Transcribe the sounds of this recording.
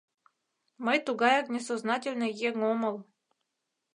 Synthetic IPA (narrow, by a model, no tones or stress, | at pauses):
məjt̪uɡɑjɑknʲesoznɑtʲelʲnə̆jeŋomɤ̆lˠ